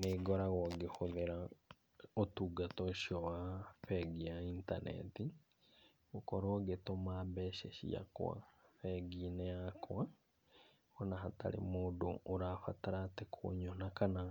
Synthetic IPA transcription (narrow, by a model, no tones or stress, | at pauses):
neːɡɔɾaɣɔɡehoðeɾa | otuːɡatɔʃiɔwafɛɡiaiːntanɛ̰ti | ɣokɔɾwɔɡetomaːbɛːʃeʃḭa̰kwa̰fɛɡinɛakʰwa | ɔnaɦata̰ɾḛmoːdo̰ʔːɾaːfataɾatekʰo̰ɲonakana